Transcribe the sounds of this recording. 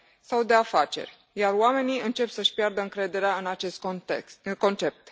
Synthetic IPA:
sawd̪e̞afat͡ʃe̞̰rʲ | jarwame̞niɨnt͡ʃe̞psəʃpjard̪əɨŋkɾe̞d̪e̞ɾeaɨnat͡ʃe̞st̪ | ko̞nt͡ʃe̞p̚t̪

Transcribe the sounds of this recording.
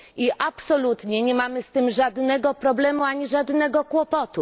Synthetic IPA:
iʔapsɔlut̪ɲɛɲɛmamɘst̪ɘmʐad̪nɛɡɔpɾɔblɛmuaɲiʐad̪nɛɡɔkwɔpɔt̪u

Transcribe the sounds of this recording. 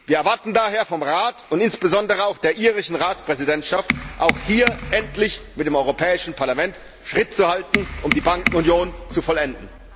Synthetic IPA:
viːɐɛɐvaɐtn̩daːɦeːɐfɔmʁaːtʊntɪnsb̥əzɔndəʁəaʊxd̥eːɐʔiːʁɪʃn̩ʁaːt͡spʁ̥ɛzidɛntʃaftʔaʊxhiːɐʔɛntlɪçmɪtd̥eːmɔʏʁopʰɛːɪʃn̩pʰaɐlamɛnt | ʃʁ̥ɪt̚t͡suhaltn̩ʔʊmdiːbaŋkŋ̩ʊnjoːnt͡sufɔlɛndn̩

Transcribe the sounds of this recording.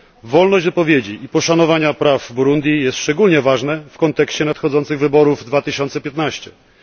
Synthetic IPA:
vɔlnɔʑd͡ʑvɘpɔvʲjed͡ʑiʔipɔʂanɔvaɲapɾavbuɾund̪ʲjijɛst̪ʂt͡ʂɛɡulɲɛvaʐnɛfkɔnt̪ɛkɕt͡ɕɛnat̪xɔd̪zɔnt̪sɘɣvɘbɔɾuvd̪vat̪ɘɕɔnt̪sɛpʲjɛt̪naɕt͡ɕɛ

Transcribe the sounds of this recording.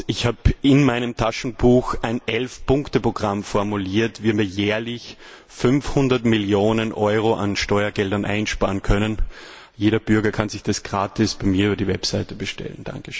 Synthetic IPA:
ɪçhaːbɪnmaɪnəmtʰaʃn̩b̥uːxʔaɪnʔɛlfpʰʊ̃ŋktəpʁoɡ̥ʁamfɔɐmuliːɐtvimiːɐjɛːɐlɪç | fʏnfhʊndɐtmɪljoːnənʔɔʏʁoʔa̰nʃtɔʏɐɡɛldɐnʔa̰ɪnʃpaːʁənkʰœnən | jeːɾɐb̥ʏɐɡɐkʰanzɪçd̥asɡ̥ʁaːtɪsb̥aɪmiːɐyːbɐdivɛpsaɪtəb̥əʃtɛ̰ln̩d̥a̰ŋkəʃ

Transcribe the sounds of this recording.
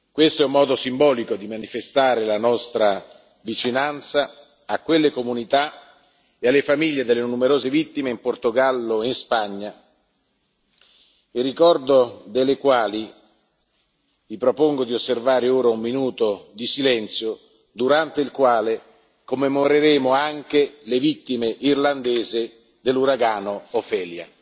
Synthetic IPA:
kwest̪oɛumːɔːd̪osimbɔːlikod̪imanifest̪aːɾelanɔst̪ɾa | vit͡ʃinant̪sa | akːwelːekomunit̪a | ealːefamiʎːed̪elːenumeɾoːzevit̪ːimeimport̪oɡalːoinspaɲːa | erːikɔrd̪od̪elːekwaːli | vipɾopoŋɡod̪iosːervaːɾeoːɾaumːinuːt̪od̪isilɛnt̪sjo | d̪uɾant̪eilkwaːle | komːemoɾeɾeːmoaŋk̟elevit̪ːimeʔirland̪eːzɪ | d̪elːuɾaɡaːnoːfɛːlja

